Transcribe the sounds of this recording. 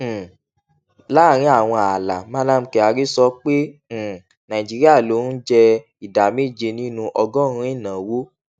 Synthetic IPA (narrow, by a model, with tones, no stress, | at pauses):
la˦˨ɾ̃ĩ˦a˦˨w̃ɔ̃˧a˨la˨mã˦nã˦m̩˦kɛ˧a˧ɾi˦sɔ˧˦k͡pẽ˦˨ | nã˨ĩ˨d͡ʒi˨˦ɾi˦a˦˨lo˨˦n̩˦d͡ʒɛ˧ | i˨da˨me˦˨d͡ʒe˧nĩ˦nũ˧ʔɔ˧ɡɔ̃˦˧ĩ˦i˦˨nã˨wo˦